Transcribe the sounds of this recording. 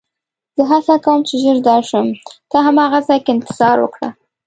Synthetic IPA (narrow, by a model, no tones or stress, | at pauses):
z̥əɦasakawəmt͡ʃeʒəɾd̪ɑʃəmt̪ɑɦamɑɣazɑjkeɪnt̪ɪ̥z̥ɑɾwə̰kɽa̰